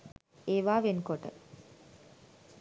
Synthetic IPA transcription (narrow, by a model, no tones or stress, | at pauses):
eːʋaːʋenkoʈə̰